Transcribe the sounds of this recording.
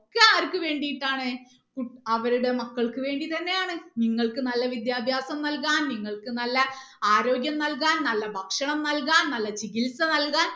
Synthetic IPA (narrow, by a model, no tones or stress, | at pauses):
kːeɐʋɐɾkɨʋe̞ːɳɖijiʈːaːɳɨ | kuɐʋɐɾuɽe̞mɐkːɐɭkɨʋe̞ːɳɖit̪ɐnːe̞jaːɳɨniŋːɐɭkɨnɐlːɐʋid̪jaːbʱjaːsɐmnɐlk̬aːnniŋːɐɭkɨnɐlːɐ | aːɾo̞ːɡjɐmnɐlkaːnnɐlːɐbʱɐkʂɐɳɐmnɐlkaːnnɐlːɐt͡ɕikilsɐnɐlkaːn